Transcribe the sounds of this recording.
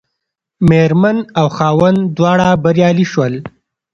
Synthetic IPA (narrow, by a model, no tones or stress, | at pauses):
meɾmanawxɑːwand̪wɑːɽabaɾjɑːliʃwəl